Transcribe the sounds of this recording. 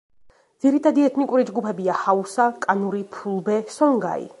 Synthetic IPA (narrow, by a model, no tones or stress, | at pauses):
d̪ziɾit̪ʰad̪iɛt̪ʰnikʼuɾid͡ʒɡupʰɛbiahausakʼanuɾipʰulˠbɛsɔŋɡa̰ḭ